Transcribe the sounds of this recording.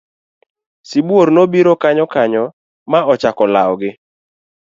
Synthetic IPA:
sibwoɾnobiɾokaɲɔkaɲɔ | maɔt͡ʃakɔlaɔɡɪ

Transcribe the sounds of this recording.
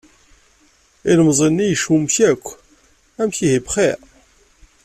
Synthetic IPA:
ilmzˤənːijəʃumçækʷː | æmçiɦibχi

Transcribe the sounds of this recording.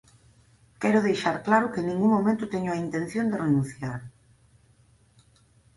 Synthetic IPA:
kɛɾʊðejʃaɾklaɾʊkenĩŋɡuŋmomẽnt̪ʊt̪ɛɲʊaint̪en̟θjond̪erenũn̟θjaɾ

